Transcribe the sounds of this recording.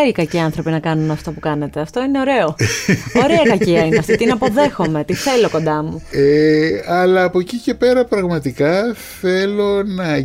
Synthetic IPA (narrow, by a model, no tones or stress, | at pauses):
ikɐciɐnθɾo̞pinɐkɐnunɐft̪opukɐne̞t̪e̞ɐft̪o̞ine̞o̞ɾe̞o̞o̞ɾe̞ɐkɐciɐineɐft̪it̪inɐpo̞ðe̞xo̞me̞t̪iθelo̞ko̞nd̪ɐmueɐlɐːpo̞cice̞pe̞ɾɐpɾɐɣmɐt̪ikɐθe̞lo̞nɐ